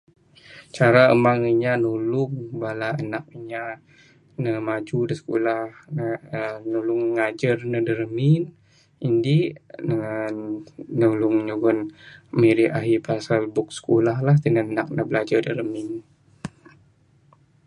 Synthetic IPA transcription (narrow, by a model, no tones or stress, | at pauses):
t͡ʃaɾaəmaŋiɲanulʊŋbalaənak̚iɲa | nəmad͡ʒudəsə̥kolahnnulʊŋːad͡ʒərnədəɾəmin | indinə | nulʊŋɲuɡʊnmeɾiʔaɦipasalbʊk̚sə̥kolahlaht̪inaənak̚nabəlad͡ʒadəɾəmin